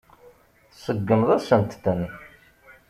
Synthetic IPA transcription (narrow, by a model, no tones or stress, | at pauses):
səɡːəmðˤæsənt̪t̪ən